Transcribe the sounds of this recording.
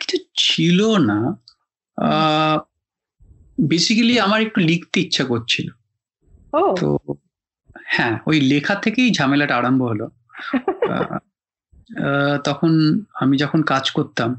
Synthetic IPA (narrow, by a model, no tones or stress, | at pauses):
ki̥t͡ɕʰut͡ɕʰilona | besikaliamaɾek̚ʈulikʰt̪eitːɕʰakott͡ɕʰilo̰ | ot̪o̰ | hɛ̃ojlekʰat̪ʰekejd͡ʑʱamelaʈaɽamboɦolo̰ | t̪ɔkʰonamid͡ʑɔkʰonkad͡ʑkoɾt̪am